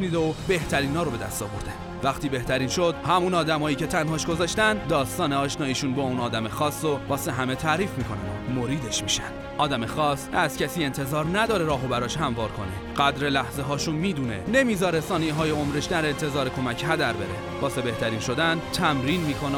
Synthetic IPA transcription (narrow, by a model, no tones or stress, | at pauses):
niːd̪eobe̞ht̪ʰæɾiːnhɒːɾobe̞d̪æ̰st̪ɒ̰ːvoɾd̪e | væχt̪iːbe̞ht̪ʰæɾiːnʃod̪hæmunɒːd̪æmɒːjiːce̞t̪ʰænɦɒːʃɡo̞zɒːʃt̪ænd̪d̪ɒːst̪ɒːneɒːʃnɒːiːʃuːnbɒːunɒːd̪æmexɒːsːovɒːseɦæme̞t̪ʰæːɾiːfmiːkʰo̞næ̰nomo̞ɾiːd̪e̞ʃmiːʃænd̪̥ʔɒːd̪æmexɒːsæzcʰæsiːe̞nt̪ʰe̞zɒːɾnæd̪ɒːɾe̞ɾɒːɦobæɾɒːʃɦæmvɒːɾkʰo̞̰nḛ | ɢ̥æd̪ɾe̞læhzeɦɒːʃunmiːd̪uːnḛne̞miːzɒːɾesɒːnijɦɒːjeomɾeʃd̪æɾe̞nt̪ʰe̞zɒːɾekʰo̞mæcʰɦæd̪æɾbe̞̰ɾe | vɒːse̞be̞ht̪ʰæɾiːnʃo̞d̪ænt̪ʰæmɾiːnmiːkʰo̞ne